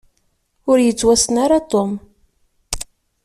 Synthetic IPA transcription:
ʊɾjət͡sːwæsənaɾat̪om

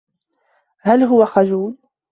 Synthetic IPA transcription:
halɦʊwaxad͡ʒuːl

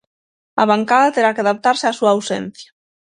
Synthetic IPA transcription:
a̰βaŋkaðat̪eɾakeaðap̚t̪aɾseasuaːwsɛ̰n̟θja

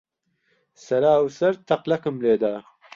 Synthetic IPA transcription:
sɐɾaːwsɐɾt̪ʰɐqlɐkɨmleːd̪aː

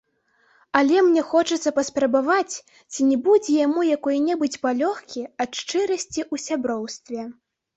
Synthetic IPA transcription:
ɐlʲɛmnʲɛxɔt͡ʂɐt̪sːɐpɐspɾɐbavat͡sʲ | t͡sʲinʲɛbud͡zʲɛjamujakɔjnʲɛbɨt͡sʲpalʲɔxkʲiɐt̪ʂt͡ʂɨɾɐsʲt͡sʲiʔusʲabɾɔwst̪vʲɛ

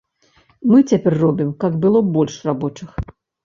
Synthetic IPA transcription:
mɨt͡sʲapʲɛrːɔbʲimkaɡbɨlˠɔbɔlʲʂrabɔt͡ʂɨx

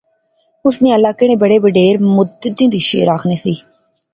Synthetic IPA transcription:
ʊsnẽːəlːaːkɪɽ̃ẽːbəɽeːbəɖeːɾmʊd̪d̪ĩːd̪iːʃḛːɾaːkʰneːsiː

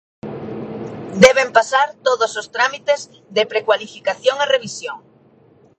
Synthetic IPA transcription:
d̪ɛβempasaɾt̪oðosost̪ɾamit̪ez | ðepɾekwalifikaθjoŋereβ̞isjoŋ

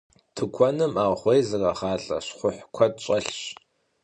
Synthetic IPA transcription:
tʰɨkʷʰɔnɨmaːʁχʷejzɨrɐχaːɬʼɐ̰ɕχʷʊħkʷʰɔtɕʷʼɐɬɕ

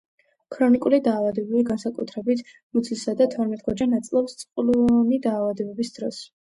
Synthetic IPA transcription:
kʰɾɔnikʼulid̪aːvad̪ɛbɛliɡansakʼut̪ʰɾɛbit̪ʰ | mud̪sʰlisad̪at̪ʰɔɾmɛt̪ʼɡɔd͡ʒanːat̪sʼlˠɔpst̪sʼqʼlunid̪aːvad̪ɛbɛbisd̪̥ɾɔs

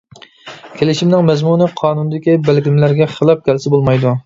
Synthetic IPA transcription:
kʲʰelɪʃimnɪŋmɛzmunɨqʰɑːnund̪ɪkʲibælɡʲɪmlæɾɡʲɛχəlˠɑp̚kʲælsɪbolˠmɑjd̪u

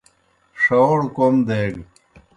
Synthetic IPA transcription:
ʂowɽkomd̪eːɡ

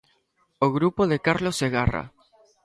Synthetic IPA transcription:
oɣɾupoðekaɾlosːeɣara̰

